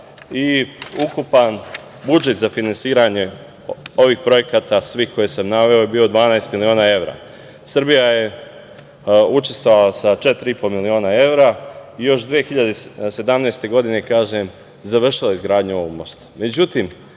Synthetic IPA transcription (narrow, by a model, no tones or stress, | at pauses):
iukupan | bud͡ʒe̞t̪zafinansiːɾaɲe̞ | o̞ʋiːxpɾo̞je̞kat̪asʋiːhko̞jesamnaʋe̞o̞jebiːo̞d̪ʋaːnaest̪milio̞ːnae̞ʋɾa̰ | sɾbijaje̞ | ut͡ʃe̞st̪vo̞ʋalasat͡ʃe̞t̪ɾiipomilio̞ːnae̞ʋɾaijo̞ʃd̪ʋiexiʎad̪ese̞d̪amneːst̪e̞ɡo̞d̪ine̞kaːʒem | zaʋr̩ʃilˠaizɡɾaːd̪ɲuoʋoɡmo̞st̪ḁme̞d͡ʑut̪im